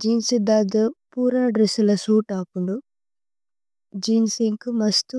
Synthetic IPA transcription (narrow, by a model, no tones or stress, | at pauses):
d͡ʒiːnsid̪aːɡɐpuːɾaːɖɾesulɐsuːʈaːpuɳɖu | d͡ʒiːnsiŋkumɐst̪u